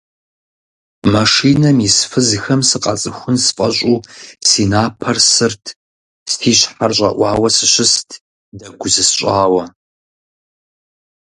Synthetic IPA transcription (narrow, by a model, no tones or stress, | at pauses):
mɐʂiːnɐmisfɨzxɐmsɨqʼɑ̰t͡sʼɨxʷʊnsfʼɐɕʼuːsiːnaːpʰɐrsɨrtʰ | stʰiːɕħarɕʼɐ̰ʔʷɑːwɐsɨɕɪstʰ | dɐɡʷʊzɨsɕʷʼaːwɐ